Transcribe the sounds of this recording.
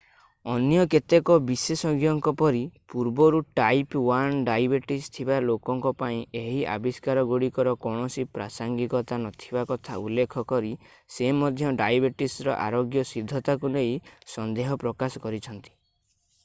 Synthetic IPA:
ɔnjɔket̪ekɔbisesɔɡijɔŋkɔpɔɾipuɾbɔɾuʈajpwanɖajbeʈist̪ʰibalokɔŋkɔpaĩeɦiʔa̰biskaɾɔɡuɽikɔɾɔkɔɽ̃ɔsipɾasaŋɡikɔt̪anɔt̪ʰibakɔt̪ʰa̰ṵlːekʰɔkɔɾi | semɔd̪ʱjɔɖajbeʈisɾɔʔa̰ɾoɡjɔsid̪ʱːɔt̪akunejsɔnd̪eɦɔpɾɔkasɔ̥kɔɾit͡ʃʰɔnt̪i̥

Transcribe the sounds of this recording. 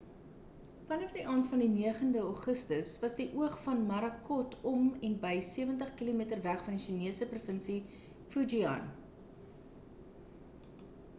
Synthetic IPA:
fɐnɐfdiʔɑːntfɐndiniəχəndəɔχəstəsvɐsdiʔuəχfɐnmɐɾɐkɔtʰɔmɛnbəjsiəvəntəχkilomiətərvæχfɐndiʃiniəsəprufənsi | fud͡ʒiɐ̰n

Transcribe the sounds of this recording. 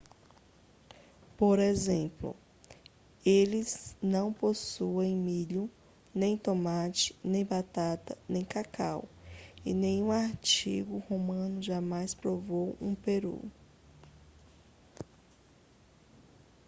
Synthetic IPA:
poɾezẽmplʊ̰ | elɪznɐ̃w̃posuẽj̃miʎʊ | nẽj̃t̪omat͡ʃɪ̥nẽj̃bat̪at̪ɐnẽj̃kakʰa̰wɪ̰nẽj̃ũaɾt͡ʃiɡʊhomɐ̃nʊʒamajspɾovowũpeɾṵ

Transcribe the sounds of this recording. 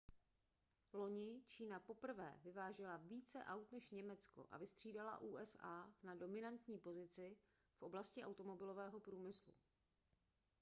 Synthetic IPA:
lo̞ɲɪt͡ʃiːnapo̞pr̩vɛ̰ːvɪvaːʒɛlaviːt͡sɛ̰ʔawt̪nɛʃɲɛmɛt͡sko̞̰ʔa̰vɪst̪r̝̥iːdala̰ʔuːʔɛsaːnado̞mɪnant̪ɲiːpo̞zɪt͡sɪ | fʔo̞blascɪʔawt̪o̞mo̞bɪlo̞vɛːɦo̞pɾuːmɪslṵ

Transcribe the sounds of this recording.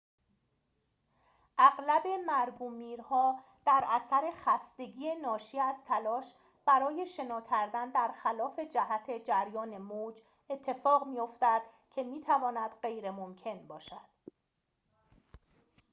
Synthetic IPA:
ʔæɣlæbe̞mæɾɡuːmiːɾhɒː | d̪̥æɾæsæɾe̞xæst̪e̞ɟiːenɒːʃiːæzt̪ʰælɒːʃ | b̥æɾɒːje̞ʃe̞nɒːcʰæɾd̪ænd̪æɾxælɒːfe̞d͡ʒæɦæt̪ʰe̞d͡ʒæɾjɒːne̞moːd͡ʒ | e̞t̪ʰːe̞fɒːɣmijo̞ft̪æd̪̥ | cʰe̞miːt̪ʰævɒːnæd̪̥ɢe̞jɾe̞momcʰe̞nbɒːʃæd̪̥

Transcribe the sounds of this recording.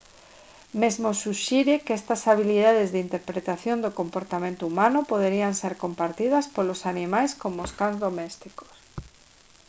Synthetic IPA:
mezmosuʃiɾɪkɛst̪ɐsaβ̞iliðað̞ɪzðint̪eɾpɾet̪aθjond̪okompoɾt̪amẽnt̪oumãnʊpoð̞eɾianseɾkompaɾt̪ið̞ɐspolosanimajskomooskanzðomɛst̪iko̥s

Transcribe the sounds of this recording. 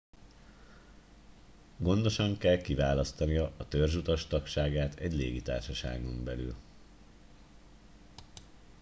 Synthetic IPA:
ɡo̞nd̪o̞ʃɒŋkɛlkivaːlɒst̪ɒnijɒːt̪ørʒut̪ɒʃt̪ɒkʃaːɡaːt̪ʰɛɟlḛːɡit̪a̰ːrʃɒʃa̰ːɡo̞mbɛly̰l

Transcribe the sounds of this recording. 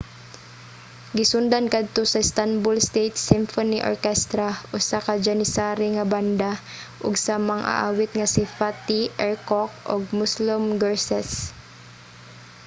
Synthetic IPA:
ɡɪsʊnd̪ankad̪̚t̪osɐst̪anbʊlst̪ejt̪sɪmfoniʔo̰ɹkɛst̪ɾaʔʊsakad͡ʒanɪsaːɾɪŋɐband̪a | ʔʊɡsamaŋʔa̰ʔa̰ːwɪt̪̚ŋasɪfat̪ɪʔɛɹkok̚ʔo̰ɡ̚mʊslʊmɡɛɹsɛs

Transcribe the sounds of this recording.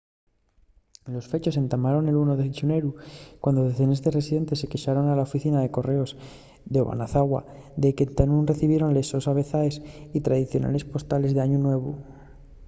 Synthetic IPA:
lo̞sfe̞t͡ʃo̞se̞nt̪amaɾo̞ne̞lunoðe̞θit͡ʃune̞ɾukwand̪o̞ðeθe̞nezðe̞re̞siðe̞nt̪e̞sːe̞keʃaɾo̞nalaofiθinaðe̞ko̞re̞o̞z | ðeβa̰naθaɣwa̰ | ðe̞ke̞nt̪anunre̞θiβje̞ɾo̞nle̞so̞saβ̞e̞θaesit̪ɾaðiθjo̞na̰le̞spo̞st̪ale̞zðe̞aɲunwe̞β̞ṵ

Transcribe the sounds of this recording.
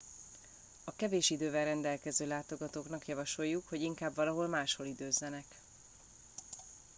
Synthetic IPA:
ɒkɛveːʃid̪øːvɛrːɛnd̪ɛlkɛzøːlaːt̪o̞ɡɒt̪oːknɒkjɒvɒʃo̞jːukhoɟiŋkaːbvɒlɒɦo̞lmaːʃho̞lid̪øːzːɛnɛk

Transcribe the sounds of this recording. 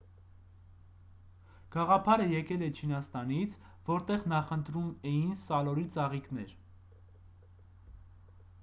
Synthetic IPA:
ɡ̥ɑʁɑpʰɑɾəjɛkɛlɛt͡ʃʰinɑst̪ɑnit͡sʰ | vɔɾt̪ɛʁnɑχənt̪ɾumɛjinsɑlɔɾit͡sɑʁiknɛɾ

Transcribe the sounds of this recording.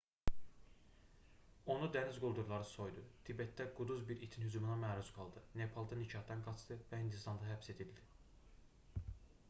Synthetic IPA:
o̞nud̪ænizɡulˠd̪uɾlˠɑɾɯso̞jd̪ut̪ʰibet̪̚d̪æɡud̪uzbiɾit̪ʰinhyzuminæmæɾuz̥ɡɑlˠd̪ɯnepʰɑlˠd̪ɑnit͡ʃʰɑhd̪ɑnɡɑt͡ʃd̪ɯvæhind̪ist̪ɑnd̪ɑɦæpse̞d̪ild̪i

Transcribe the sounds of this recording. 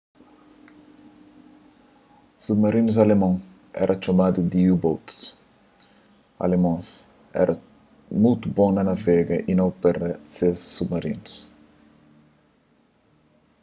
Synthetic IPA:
submɐɾinuz̬ɐlemɐ̃ŋ | ɛ̰ɾʔɐt͡ʃomad̪ud̪iubowt̪s | ɐ̰lemõs | ɛ̰ɾʔɐ | mut̪ubõŋnɐnɐvɛɡɐʔinɐ̃wpɛɾɐsesːubmɐɾinus

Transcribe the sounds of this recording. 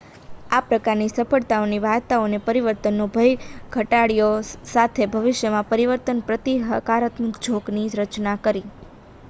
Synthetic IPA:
apɾəkaɾnisəfəɭt̪aoniʋat̪aonepəɾiʋəɾt̪ənːubʱəjɡʱəʈaɽijosat̪ʰebʱəʋɪʃjəmãpəɾiʋəɾt̪ənpɾət̪iɦəkaɾət̪məkd͡ʒʱoɡniɾət͡ʃnakəɾi

